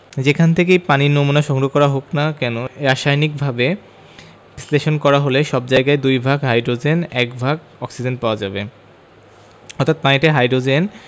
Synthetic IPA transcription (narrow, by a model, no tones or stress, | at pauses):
d͡ʑekʰant̪ʰek̬ejpaniɾnomunaʃɔŋɡɾokɔɾaɦoknakɛnoɾaʃajnik̚bʱabe | sleʃonkɔɾaɦoleʃɔbd͡ʑajɡaed̪ujbʱaɡɦajɖɾod͡ʑenɛkbʱaɡ | ɔksid͡ʑenpaoad͡ʑabe | ɔɾt̪ʰːat̪̚paiʈaɦajɖɾod͡ʑen